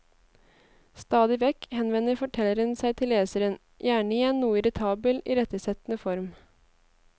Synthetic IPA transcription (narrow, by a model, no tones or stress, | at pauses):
st̪ɑːd̪ɪʋɛkhɛnʋɛnəɾfɔʈʰɛlːəɾənsæɪt̪ʰɪlːeːsəɾən | jʔæːɳəɪjɛnnuːəɪɾɪt̪ʰɑːbəlʔḭːɾɛt̪əsɛt̪n̩əfɔɾm